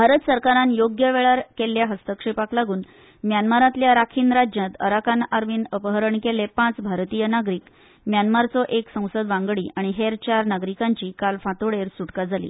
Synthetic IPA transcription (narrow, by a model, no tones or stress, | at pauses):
bʱaɾət̪səɾkaɾãnjoɡjəʋeɭaɾkelːjaɦəst̪əkʂepaklaɡuːn | mjanmaɾat̪ljaɾakʰiːnɾad͡ʑjãt̪ə̰ɾakanaɾʋiːnəpəɦəɾəɳkelepãt͡sbʱaɾt̪ijənaɡɾiːk | mjanmaɾt͡sɔʔeksə̃w̃səd̪ʋãŋɡɭiːʔaɽ̃iɦeɾt͡ɕaɾnaɡɾikãɲt͡ɕiːkalfãt̪oɭeɾsuʈkad͡zʱalḭː